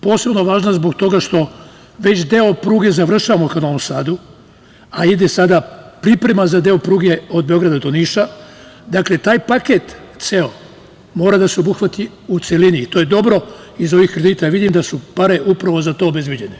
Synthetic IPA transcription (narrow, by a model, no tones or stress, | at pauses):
po̞ːse̞bno̞ʋaːʒnazbo̞ɡt̪o̞ɡaʃt̪o̞ | ʋe̞t͡ɕd̪e̞o̞pɾuːɡe̞zaʋr̩ʃaʋamokad̪oʋomsaːd̪u | aid̪e̞sad̪apɾipɾe̞mazad̪e̞o̞pɾuːɡe̞o̞d̪̚be̞o̞ɡɾad̪ad̪o̞niʃa | d̪akle̞t̪aːjpake̞t̪ | t̪se̞o̞ | mo̞ːɾad̪aseo̞buxʋat̪i | ut̪seliniːt̪o̞ːje̞d̪o̞bɾo̞ | izo̞ʋixkɾe̞d̪iːt̪ajʋid̪imd̪asupaɾe̞ʔupɾaʋo̞zat̪o̞ːbe̞zbjed͡ʑe̞ne